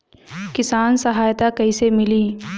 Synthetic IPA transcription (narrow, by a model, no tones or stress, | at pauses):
kɪsaːnsɐɦaːjt̪akɐisemɪliː